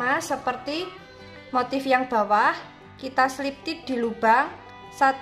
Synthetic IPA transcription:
asəpərt̪i | mot̪ɪfjaŋb̥a̤wah | kit̪aslip̚t̪id̪̥i̤lub̥a̤ŋ | sat̪

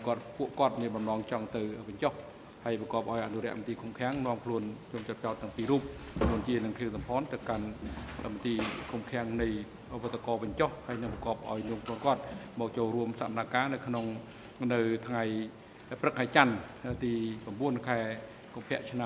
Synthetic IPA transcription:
kŏət̪̚puəʔkŏət̪̚miənɓɑmnɑːŋt͡ɕɑŋt̪ɨwʋɨɲt͡ɕoh | haəjprɑkɑəp̚ʔaɔjʔa̰nuɾɛ̆əʔmət̪iːkʰumkʰɛ̆əŋnŏəmkʰluənt͡ɕuəmt͡ɕot̪̚t͡ɕaɔt̪ːəŋpiːɾuːp̚kʰluənt͡ɕiənɨŋkʰiːəŋsɑmpʰɑːnt̪ɨwkanʔə̰mət̪iːkʰumkʰɛ̆əŋnɨj | ʔʋət̪ːekɑːʋɨɲt͡ɕohhaəjnɨŋprɑkɑ̆əp̚ʔa̰ɔjnuəmkʰluənkŏət̪̚mɔːk̚t͡ɕoːlruəmsapənaːkaːnɨwkʰnoŋ | nɨwt̪ʰŋaj | prɨk̚ʰːaɛt͡ɕanʔət̪iːpramɓuənkʰaɛ | kumpʰɛ̆əʔt͡ɕʰna

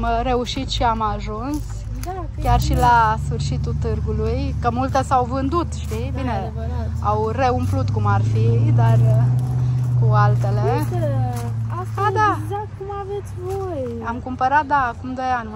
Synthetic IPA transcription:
mɾe̞uʃit̪ʃiamaʒuns | kʲarʃilasfɨrʃit̪ut̪ɨrɡulujkəmult̪əsawvɨnd̪ut̪ʃt̪ibine | awre̞umplut̪kumarfid̪ar | kualt̪e̞le | aad̪azakumavet̪sʲvoj | amkumpəɾat̪̚d̪aːkumd̪o̞janʲ

